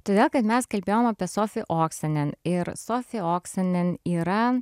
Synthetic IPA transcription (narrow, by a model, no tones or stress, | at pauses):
t̪oːd̪ʲeːlˠkɐt̪mʲɛskɐlʲbʲeːjomɐpʲiɛsoːfʲɪʔoːksʲɐnʲɛnɪɾsoːfʲɪoːksʲɐnʲɛniːɾɐ